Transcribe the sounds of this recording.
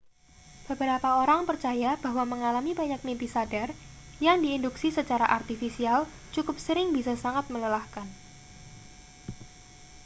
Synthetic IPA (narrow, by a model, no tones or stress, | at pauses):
b̥əbəɾapaoɾaŋpərt͡ʃajab̥aɦwaməŋalamibaɲak̚mimp̪isadar | jaŋdiːnduksisət͡ʃaɾaʔart̪ifisial | t͡ʃukʊp̚səɾɪŋbisasaŋat̪̚mələlahkan